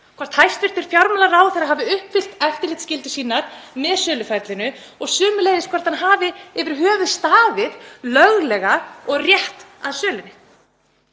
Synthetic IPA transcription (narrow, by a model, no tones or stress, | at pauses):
kʰvaɾ̥t̪hajst̪fɪɾ̥t̪ɪɾ̥fjawɾmɛlaɾraːwθɛjɾaɦaːvɪʏhpfɪl̥t̪ɛft̪ɪlɪht̪scɪlt̪ɪsiːnaɾ̥mɛðsœːlʏfɛɾt̪lɪnʏ | ɔɣsʏːmʏleːjðɪskʰvɛɾt̪hanɦaːvɪɪvɪɾ̥ɦœːvʏðst̪aːvɪðlœɣlɛɣaɔɣrjɛht̪aðsœːlʏnɪ